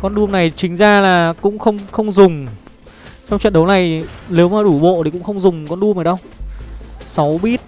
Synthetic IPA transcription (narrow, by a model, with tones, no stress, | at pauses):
kɔ˧nɗu˧əmna˨˩jt͡ɕï˨˦ŋ̟zaː˧laː˨˩kʊ̰˧˥ŋ͡mxə˧wŋ͡mxə˧wŋ͡mzʊ˨˩ŋ͡m | t͡ɕɔ˧ŋ͡mt͡ɕə̰˧˨nɗə˨˦wna˨˩jle˨˦wmaː˨˩ɗu˧˩ɓo̰˧˨tʰi˨˩kʊ̰˧˥ŋ͡mxə˧wŋ͡mzʊ˨˩ŋ͡mkɔ˧nɗu˧əmʔaː˨˩ɗə˧w | sa˨˦wɓi˦˥t̚